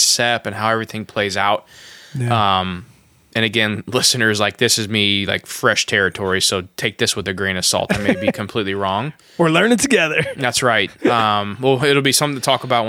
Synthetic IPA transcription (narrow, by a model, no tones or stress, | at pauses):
sɛpɨ̃nɦaʊɛvɹiθɪ̃ŋpʰl̥eɪzaʊt̚ʌ̃m | ɨ̃ñɨɡɛ̃nlɪsɨ̃nə˞zlaɪk̚ðɪsɨzmila̰ɪkfɹɛʃtʰɛɹɨtʰɔɹisoʊtʰeɪk̚ðɪswəðɨɡɹĩnɨsɔ̰lˠtɨ̃nmeeɪbikʰɨ̃m̩pʰl̥itˡliɹɔ̃ŋ | ə˞lɜ̃˞ñɨtʰɨɡɛðə˞ðætsɹaɪt̚ʌ̃mwɛlˠɪɾl̩ˠbisʌ̃m̃tʰɨtʰɔkəbaʊt̚w̃